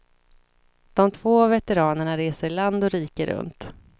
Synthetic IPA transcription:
d̪̥ɔmt̪ʰv̥oːavɛt̪ɛɾɑːnəɳaɾeːsəɾɭand̪ɔɾiːkəɾɵ̰nt̪

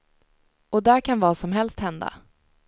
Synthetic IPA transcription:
ɔd̪æɾkʰanvɑːsɔmɦɛlst̪hɛnd̪a̰

